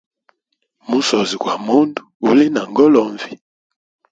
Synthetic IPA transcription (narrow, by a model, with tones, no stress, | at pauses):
mu˦sɔ˨zi˨kwa˨mu˦ndu̥ː˨li˦na˨ŋɡɔ˦lɔ˨ɱvi˨